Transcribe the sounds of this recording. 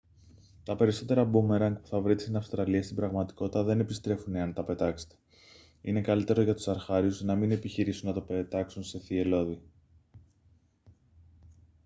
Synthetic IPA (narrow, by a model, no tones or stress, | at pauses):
t̪ɐpe̞ɾiso̞t̪e̞ɾɐbumeɾɐŋɡpu̥θɐvɾit̪isinɐfst̪ɾɐliɐst̪ibɾɐɣmɐt̪i̥ko̞t̪it̪ɐðe̞ne̞pist̪ɾe̞funeɐnt̪ɐpe̞t̪ɐkse̥t̪e̥ | ḭne̞kɐlit̪e̞ɾoʝɐt̪u̥sɐɾxɐɾiuznɐmine̞piçiɾisunnɐt̪o̞pet̪ɐksunse̞θie̞lo̞ði